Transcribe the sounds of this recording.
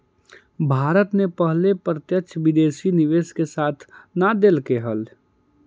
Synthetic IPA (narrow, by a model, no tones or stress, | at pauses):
bʱaːɾət̪nepəɦlepɾət̪jəkt͡ʃʰʋɪd̪eːsinɪʋeːskesaːt̪ʰnad̪elkeɦəl